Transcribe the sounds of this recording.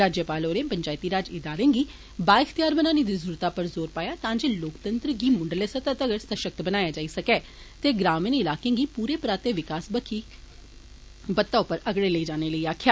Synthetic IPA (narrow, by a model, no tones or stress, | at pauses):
ɾaːd͡ʒjəpaːloːɾẽːpəɲd͡ʒaːɪt̪iːɾaːd͡ʒɪd̪aːɾẽːŋɡiː | baːɪkʰt̪ijaːɾbənaːniːd̪iːzuːɾt̪aːpəɾzoːɾpaːjaːt̪ãːd͡ʒeːloːkt̪ənt̪ɾəɡiːmʊɳɖəleːsət̪at̪əɡəɾsəʃək̚t̪bənaːjaːd͡ʒaːiːsəkɛː | t̪eːɡɾaːmənɪlaːkẽːɡiːpuːɾeːpɾaːt̪eːʋɪkaːsbəkʰiː | bət̪ːaːʊpːəɾəɡɽeːləiːd͡ʒaːneːləiːaːkʰjaː